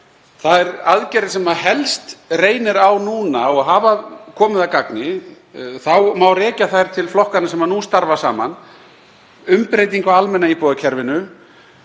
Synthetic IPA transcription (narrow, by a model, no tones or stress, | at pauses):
θaðɛɾa̰ðcɛɾɪsɛmaðɦɛlst̪reːjnɪɾawnuːnaɔɣɦaːvakʰɔːmɪðakaknɪ | θawmawrɛːcaθajɾ̥t̪ʰɪlflɔhkanasɛmanust̪aɾvasa̰ːman | ʏmpɾeːjt̪̬iŋkaalmɛnːaipɔːðacʰɛɾvɪnʏ